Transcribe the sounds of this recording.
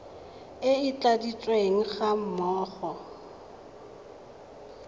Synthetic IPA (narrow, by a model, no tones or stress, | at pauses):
ɪɪt͡ɬʼadit͡ʃʼweŋ̩χam̩mɔːχɔ